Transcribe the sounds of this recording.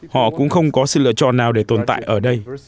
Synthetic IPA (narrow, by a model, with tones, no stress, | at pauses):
hɔ̰˧˨kʊ̰˧˥ŋ͡mxə˧wŋ͡mkɔ˨˦sɨ̰˧˨lɨ̰˧ət͡ɕɔ̰˧˨nːaː˨˩wɗe˧˩t̪o˨˩nt̪a̰ː˧˨jʔəː˧˩ɗə˧j